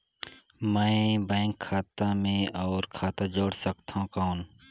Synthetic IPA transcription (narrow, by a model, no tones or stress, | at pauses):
mɛ̃ɪbɛ̃ːŋkʰːaːt̪amẽɔːɾkʰaːt̪ad͡ʒoːɽsəkt̪aɦũkaɦːn